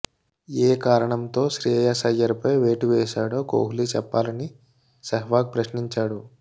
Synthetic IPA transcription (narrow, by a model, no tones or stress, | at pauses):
eːkaːɾɐɳɐmt̪o̞ːʃɾijɐjaːsɐjɐɾupɐjʋeːʈuʋɛːʃaːɽo̞ːko̰ːɦuliːt͡ʃɛpːaːlɐni | sɐɦʋaːk̚pɾɐʃniɲt͡ʃaːɽu